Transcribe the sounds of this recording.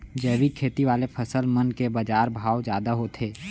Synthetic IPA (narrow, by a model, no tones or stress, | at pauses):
d͡ʒɛːʋikʰeːt̪iʋaːlepʰəsəlmənkebɐd͡ʒaːɾbʱaːwd͡ʒjaːd̪aɦot̪ʰeː